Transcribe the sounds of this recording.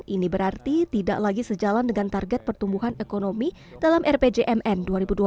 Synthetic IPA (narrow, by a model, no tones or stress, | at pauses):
ʔinibəɾart̪it̪ida̰ʔlaɡisəd͡ʒalandəŋant̪arɡɛt̪̚pərt̪umbuɦanekonomi | dalamʔɛrped͡ʒeʔɛmʔɛnduaɾibudua